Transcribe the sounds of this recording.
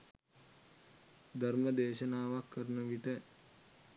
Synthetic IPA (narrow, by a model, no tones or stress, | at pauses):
d̪ʱɐɾməd̪eːʃənaːʋakːəɾnəʋiʈə